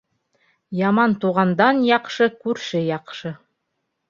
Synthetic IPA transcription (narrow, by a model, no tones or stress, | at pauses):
jɑmɑnt̪uʁɑnd̪ɑnjɑqʃɤkʉɾʃɘjɑqʃɤ